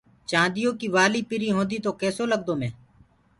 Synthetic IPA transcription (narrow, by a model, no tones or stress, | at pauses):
t͡ʃãːnd̪ɪjõːkiːʋaːliːpɪɾiːɦõːnd̪iːt̪oːkɛːsoːləɡd̪oːmẽː